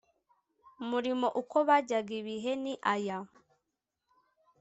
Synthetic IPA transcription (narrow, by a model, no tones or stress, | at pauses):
muɾimo̞ʔuko̞βaɟaɡiβiɦe̞niʔaja